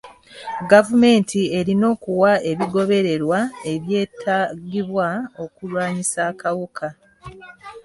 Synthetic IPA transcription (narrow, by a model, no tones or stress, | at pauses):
ɡavume̞ːntʰie̞ɾino̞ːkuwae̞βiɡo̞βe̞ɾe̞ɾwae̞βje̞ːtʰaɡiβwao̞kulwaːɲisaːkawukʰa